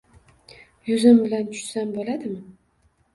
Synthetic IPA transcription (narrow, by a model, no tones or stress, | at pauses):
jʊzɪmbɪlant̪ʰʊ̥ʃsanbolad̪ɪm